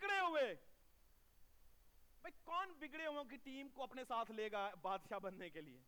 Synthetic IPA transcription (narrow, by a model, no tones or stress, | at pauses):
bɪkɽeɦʊeː | bɐikɔːnbɪɡɽeɦʊõk̬iʈiːmkoɐpnesaːt̪ʰleːɡabaːd̪ʃabɐnːekeliḛː